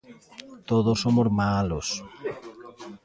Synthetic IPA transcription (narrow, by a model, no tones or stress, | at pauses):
t̪oðosomozmalos